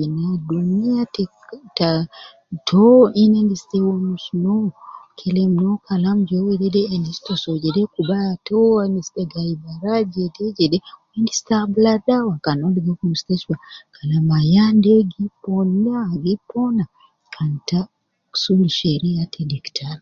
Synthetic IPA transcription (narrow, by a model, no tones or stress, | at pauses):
inadunijate | ta | tʰoinendisi̥tewomusunowkʰelemunokʰalamuɟoweɾeɾeːndisi̥tosoɟeɾekubateanisteɡaibaɾaɟeteɟedeowendistabuladawakanodiɡekumusteswakʰalamajandeɡiponiaɡipona | kʰanta | ku̥suliʃeɾejatʰediki̥tʰaɾ